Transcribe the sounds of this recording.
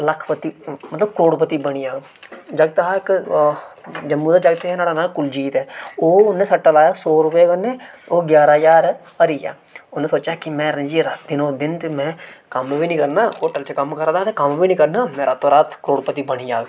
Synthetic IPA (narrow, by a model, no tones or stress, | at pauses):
ləkʰpət̪ːimət̪ləbkɾoːɽpət̪iːbəɽ̃iːaːɡd͡ʒəɡ̚t̪ɦaːɪk | d͡ʒəmːuːd̪aːd͡ʒəɡ̚t̪eɦɛːnaːɽaːnãːkʊld͡ʒiːt̪ɛːoːʊnːẽːsəʈːəlaːjaːsoːɾʊpekənːeːoːɡjaːɾaːd͡ʒaːɾ | əɾiːja̰ː | ʊnːẽːsoːt͡ʃaːkɪmɛ̃ːɾəd͡ʒiːɾat̪d̪ɪnoːd̪ɪnt̪eːmɛ̃ːkəmbiːnĩːkəɾnaːoːʈəlt͡ʃəkəmkəɾd̪aːt̪eːkəmbiːnĩːkəɾnaːmɛ̃ːɾʔaːt̪ʰːõːɾaːt̪ʰkəɾoːɽpət̪iːbəɽ̃iːaːɡ